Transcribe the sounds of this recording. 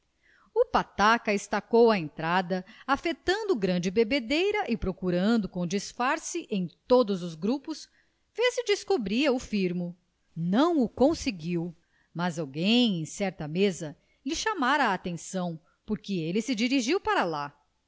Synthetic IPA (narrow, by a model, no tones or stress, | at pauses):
ʊpat̪akɐɪst̪akowɐẽnt̪ɾad̪ɐafet̪ɐ̃nd̪ʊɡɾɐ̃d͡ʒɪbebed̪ejɾɐʔɪpɾokuɾɐ̃nd̪ʊkõw̃d͡ʒisfaɾsɪʔẽj̃t̪od̪ʊzʊzɡɾupʊs | fezɪd͡ʒiskobɾiɐʊfiɾmʊ | nɐ̃w̃ʊkõsɪɡiw | mɐzawɡẽj̃ẽj̃sɛɾt̪ɐmezɐ | lɪʃamaɾɐaːt̪ẽsɐ̃w̃ | poɾkɪelɪsɪd͡ʒiɾiʒiwpaɾɐla